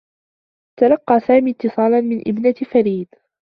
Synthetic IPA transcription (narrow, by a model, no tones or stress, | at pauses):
t̪alɑqːɑːsaːmiːt̪ːɨsˤɑːlɑnmɪnʔɪ̰bnafaɾiːd̪